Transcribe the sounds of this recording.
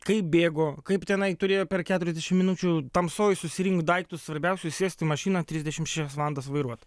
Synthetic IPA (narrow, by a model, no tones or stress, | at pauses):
kɐɪp̚bʲeːɡoːkɐɪpt̪ʲɛnɐɪt̪ʊɾʲeːjoːpʲɛrkʲæːt̪ʊɾʲɛzʲdʲɛʃʲɪmʲɪnuːt͡ʃʲut̪ɐmsoːjɪsʊsʲɪɾʲɪŋkd̪ɐɪkt̪ʊssʋɐɾʲbʲɛʊsʲʊsʲiːsʲt̪ʲɪmɐʃʲiːnɐt̪ʲɾʲizʲd̪ʲɛʃʲɪmʃʲæːʃʲɛsʋɑːlˠɐnd̪ɐs̬ʋɐɪɾuɔt̪